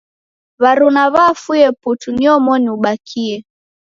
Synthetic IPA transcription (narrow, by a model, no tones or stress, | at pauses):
βaɾunaβafuɛputuniɔmɔniuɓakʰiɛ